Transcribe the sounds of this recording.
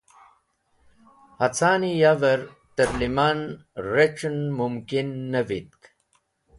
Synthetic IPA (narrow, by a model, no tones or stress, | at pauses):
hɐt͡sʰaːnijavɐɾ | t̪ɐɾlimaːnɾeʈ͡ʂnmumkinːɐvit̪̚k